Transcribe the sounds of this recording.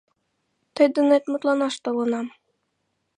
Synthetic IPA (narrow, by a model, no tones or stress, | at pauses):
t̪ɤ̆jd̪ɤ̆net̪ʲmut̪lˠɑnɑʃt̪ŏlˠɤ̆nɑm